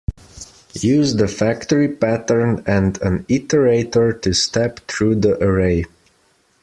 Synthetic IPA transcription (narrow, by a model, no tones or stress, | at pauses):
jʉzðəfæktəɹipætə˞nɨ̃ndɨ̃nɪtəɹeɪtə˞tʰɨstɛpθɹuðiʔəɹeɪ